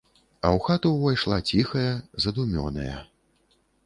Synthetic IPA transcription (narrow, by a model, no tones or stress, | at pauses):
ɐ̰wxat̪uwvajʂlˠat͡sʲixɐjɐzɐd̪umʲɔ̰nɐ̰jɐ̰